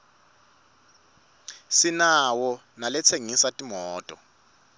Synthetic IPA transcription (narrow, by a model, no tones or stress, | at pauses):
sinawɔ | nalɛt͡sʰeŋisatʼimɔːtʼɔ